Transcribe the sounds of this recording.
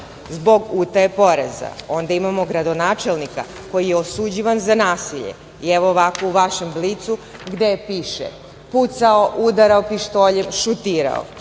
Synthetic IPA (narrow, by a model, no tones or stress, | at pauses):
zbo̞ɡuːt̪ajepo̞ɾḛza̰o̞nd̪aimamo̞ɡɾad̪o̞naːt͡ʃe̞lnika̰ | ko̞jijeosud͡ʑiʋanzanaːsiʎḛ | iɛʋoːʋakouʋaʃe̞mblit̪suɡd̪epiːʃḛ | put̪saoʔud̪aɾaopiʃt̪oʎemʃut̪iːɾa̰o̰